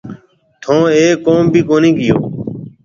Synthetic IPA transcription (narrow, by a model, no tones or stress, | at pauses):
t̪ʰõːeːoːmbʱiːkoːnĩːɡɪjo̰ː